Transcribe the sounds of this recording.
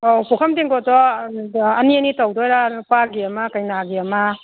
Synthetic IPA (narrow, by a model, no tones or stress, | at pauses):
opukʰɐmdiŋɡɔtɔ | ɐniɐnitawdɔjɾapaɡiɐmakajnaɡiɐma